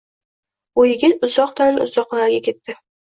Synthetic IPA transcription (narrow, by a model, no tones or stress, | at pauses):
ojɪɡʲɪʊzɒq̚d̪anʊ̰zɒqlaɾɡʲakʲe̞t̪ʰːɪ